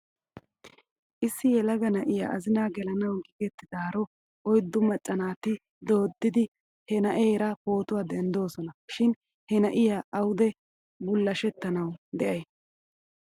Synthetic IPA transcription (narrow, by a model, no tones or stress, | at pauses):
ʔɪsːɪjɛlɐɡɐnɐʔɪja̰ʔɐzɪnaːɡɛlɐnɐwɡiɡɛt̪ːɪd̪aːɾɔ | ɔjd̪ʊmɐt͡ʃʼːɐnaːt̪ɪ | d̪o̞ːd̪ːɪd̪ɪ | hɛnɐʔeːɾɐko̞ːt̪ʊwaːd̪ɛnd̪o̞ːsɔnɐʃɪn | hɛnɐʔɪjaɐwʊd̪ɛ | bʊlːɐʃɛt̪ːɐnɐwd̪ɛʔɐj